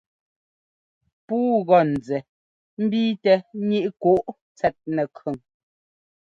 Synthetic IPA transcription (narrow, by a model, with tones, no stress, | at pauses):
puː˦ɣɔ˨n̩˨d͡zɛ˨ | m̩˦biː˦tɛ˨˦ɲi˦ʔko˦ʔ | t͡sɛ˦t̚nɛ˨kɰʉ˨ŋ